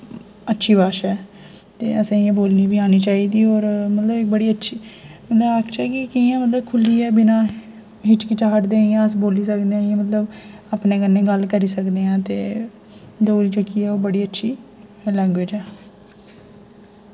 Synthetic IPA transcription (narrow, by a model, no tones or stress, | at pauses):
ətːʃʰiːbaːʃɛː | t̪ḛːəsãːãːboːlniːbiːaːniːt͡ʃaːiːd̪iːɔːɾmət̪ləbɪk̚bəɽiːətːʃʰiːmət̪ləbakʃaːkɪkəijãːmət̪ləbkʰʊliːɛːbɪnãː | ɦɪʈkɪt͡ʃaːɦəʈd̪eːɪjãːəsboːliːsəkd̪eãːãːmət̪ləbaːpneːkənːẽːɡəlkəɾiːsəkd̪eːãːt̪eː | d̪oːɾiːt͡ʃəkːiːɛːoːbəɽiːətːʃʰiːlɛ̃ːŋɡʋeːd͡ʒɛː